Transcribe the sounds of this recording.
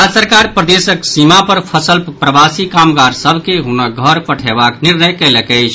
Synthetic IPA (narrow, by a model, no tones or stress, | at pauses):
asəɾkaɾpɾəd̪esəksimapəɾpʰəsəlppɾəbasikamɡaɾsəbʱkeɦunək̚ɡʱəɾpəʈʰebakniɾnəjkɛləkəɪt͡ʃʰ